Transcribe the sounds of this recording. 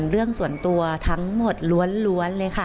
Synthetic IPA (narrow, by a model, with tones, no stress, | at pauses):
nɾɯ˥˩əŋsu˨˩ənt̪u˧ɐt̪ʰa˦˥ŋmo˨˩t̪̚lu˧˦˥ənlu˧˥ənlɤː˧jkʰa˥˩